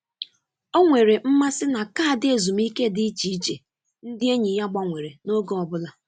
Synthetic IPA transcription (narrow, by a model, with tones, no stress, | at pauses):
o˦ŋʷe˨ɾe˨m̩˦ma˦sɪ˦na˨ka˦˨dɪ˦e˨zu˨m̩˦i˦ke˦dɪ˦i˦t͡ʃi˨i˦t͡ʃe˨ | n̩˦dɪ˦e˦ɲi˨˦ja˦ɡ͡ba˨ŋʷe˨ɾe˨no˦ɡo˦ɔ˨bʊ˦la˦